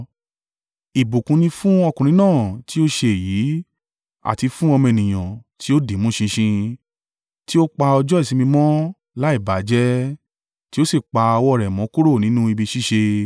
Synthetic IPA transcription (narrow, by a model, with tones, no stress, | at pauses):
i˨bu˨kũ˧nĩ˧fũ˦ɔ˧kũ˨ɾĩ˨˦nãː˦˨ti˦o˦ʃe˧e˨ji˨˦ | a̰˨ti˧fũ˦ɔ˧m̃˧e˨nĩ˨j̃ã˨ti˦o˦de˨˦mũ˦ʃĩ˧ʃĩ˧ | ti˦o˦k͡pa˧ɔ˧d͡ʒɔ˦i˦˨sĩ˨˧˦mĩ˧mɔ̃˦ | la˦i˦˨ba˨˦d͡ʒɛ˦ | ti˦o˦si˦˨k͡pa˧ɔ˧wɔ˦˨ɾɛ˨mɔ̃˨˦ku˦ɾo˦˨nĩ˨˦nũ˦i˧bi˧ʃi˦ʃe˧